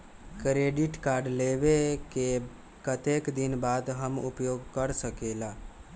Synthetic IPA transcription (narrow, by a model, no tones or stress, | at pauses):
kɾeɖiʈkaːɾɖleʋeke | kət̪ekd̪inbaːd̪ɦəmṵpjoɡkəɾsəkelaː